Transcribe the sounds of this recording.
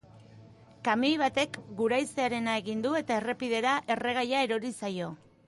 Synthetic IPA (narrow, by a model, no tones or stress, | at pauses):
kamijβ̞at̪e̞kɡuɾajseaɾe̞nae̞ɣind̪ue̞t̪ae̞re̞piðe̞ɾaʔe̞re̞ɣ̞ajae̞ɾo̞ɾisajo̞